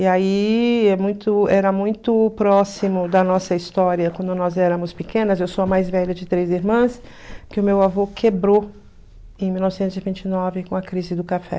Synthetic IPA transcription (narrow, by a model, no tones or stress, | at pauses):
iaiɛmũj̃t̪ʊɛɾɐmũj̃t̪ʊpɾɔsimʊd̪ɐnɔsɐist̪ɔɾiɐkwɐ̃nd̪ʊnɔzɛɾɐ̃mʊspɪkẽnɐzewsoɐmajzvɛʎɐd͡ʒɪt̪ɾeziɾmɐ̃s | kɪʊmewavokʰebɾo | ẽj̃miwnɔvɪsẽnt̪ʊzivĩnt͡ʃɪnɔvɪkõɐkɾizɪd̪ʊkafɛ̰